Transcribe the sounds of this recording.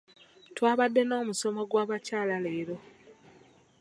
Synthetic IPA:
twaːβadːe̞no̞ːmuso̞mo̞ɡwaːβacaːlale̞ːɾo̞

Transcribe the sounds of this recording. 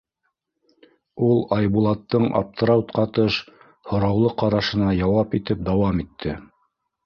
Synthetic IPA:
ulˠɑjbulˠɑt̪ːɤɴɑ̰p̚t̪ɾawt̪qɑt̪ɤʃ | hŏɾɑwlˠɤqɑɾɑʃɤ̆nɑjɑwɑpit̪ɘp̚d̪ɑwɑmit̪ʰːɘ

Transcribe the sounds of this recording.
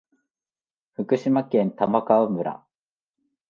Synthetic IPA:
ɸɯkɯ̟ɕimakẽ̞nt̪amakaɯmɯ̟ɾa̰

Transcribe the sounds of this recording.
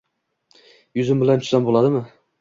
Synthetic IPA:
jʊzɪmbɪlant͡ʃ̪ʰʊ̥ʃsambolˠad̪ɪmɪ

